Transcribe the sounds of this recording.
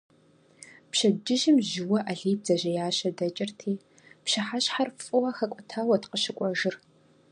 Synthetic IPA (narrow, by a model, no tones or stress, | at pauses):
pɕɐd͡ʒɪʒɪmʒɪwɐʔɐɮiːzɐʑɐjaːɕɐdɐt͡ʃʼɪrtʰiː | pɕɐħaɕħarfʼɨwɐxɐkʷʼɔtʰaːwɐtqəɕɪkʷʼɔʒɨr